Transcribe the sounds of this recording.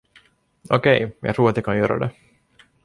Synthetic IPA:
okɛjjɑ̰ɡt̪ɾuːɾat̪jɑkʰɑnjøːɾa̰d̪ɛ

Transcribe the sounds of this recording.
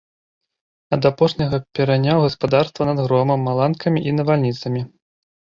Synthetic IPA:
ɐd̪apɔʂnʲɐɣɐpʲɛɾanʲawɣɐspad̪arst̪vɐnɐd̪ɣɾɔmɐmːalˠankʰɐmʲiʔinɐvalʲnʲit̪sɐmʲi

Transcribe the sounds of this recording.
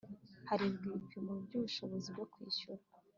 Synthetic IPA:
haɾiβɡiːpimobɟuβuʃo̞βo̞zibɟokwḭːɕuɾa

